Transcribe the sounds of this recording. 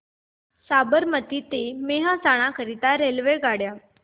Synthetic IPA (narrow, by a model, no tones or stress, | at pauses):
sabəɾmət̪iːt̪emeɦasaɽ̃akʰəɾit̪aɾelʋeɡaɽja